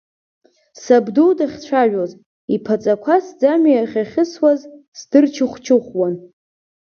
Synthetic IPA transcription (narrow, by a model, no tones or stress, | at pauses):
sabduwdaχʲt͡ɕʷʰaʒᶣoz | ipʰat͡sʼakʷʰasd͡zamjaχʲaχʲɪswazsdɨrt͡ʃʰɪχʷt͡ʃʰɨχʷwan